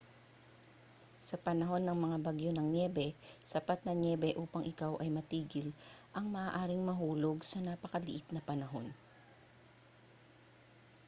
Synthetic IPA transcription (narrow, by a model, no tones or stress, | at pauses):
sɐpɐnɐɦo̞nːɐŋmɐŋabɐɡjonɐŋnjɛːbɛsɐpat̪̚nɐnjɛːbɛʔuːpɐŋʔɪkawʔɐjmɐt̪iːɡɪlʔɐŋmɐʔaːʔaːɾɪŋmɐɦuːlo̞ɡsɐnapɐkɐlɪʔɪt̪̚nɐpɐnɐɦo̞n